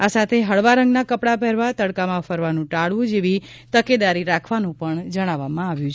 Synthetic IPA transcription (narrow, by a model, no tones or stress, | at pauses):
asat̪ʰeɦəɭʋaɾə̃ŋɡnakəpɽapɛɾʋat̪əɽkamãfəɾʋanũʈaɭʋũd͡ʒeʋi | t̪əked̪aɾiɾakʰʋanũpəɳd͡ʒəɽ̃aʋːamãaʋjũt͡ʃʰ